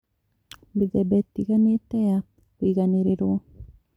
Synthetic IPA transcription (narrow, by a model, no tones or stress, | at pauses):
mbiðɛbɛtːiɣanetɛja | oiɣaneɾeɾwɔ